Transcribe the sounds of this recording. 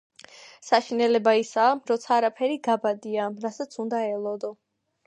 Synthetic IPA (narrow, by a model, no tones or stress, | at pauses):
saʃinɛlɛbaisaːɾɔt̪sʰaːɾapʰɛɾiɡabad̪iaɾasat̪sʰund̪aɛlˠɔd̪ɔ